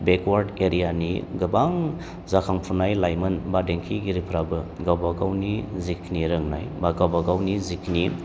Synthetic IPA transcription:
bekʰwaɾdeɾijanḭɡɯbaŋ | zakʰaŋpʰunajlajmɯnbadeŋkʰiɡiɾipʰɾabɯɡawbaɡawnizikʰniɾɯŋna̰jbaɡawbaɡawnizikʰni

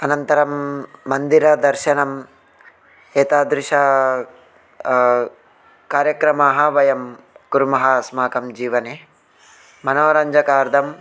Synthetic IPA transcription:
ɐnɐnt̪ɐɾɐmːɐnd̪iɾɐd̪ɐɾʃɐnɐm | eːt̪aːd̪ɾɪʃɐ | kaːɾjɐkɾɐmaːɦɐʋɐjɐm | kuɾmɐɦɐsmaːkɐmd͡ʒiːʋɐne | mɐnoːɾɐɲd͡ʒɐkaːɾd̪ʱɐm

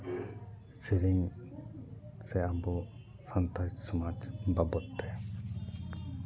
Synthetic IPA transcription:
siɾiŋ | sɛabɔ | sant̪ad͡ʒsumat͡ʃbabɔt̪ːɛ

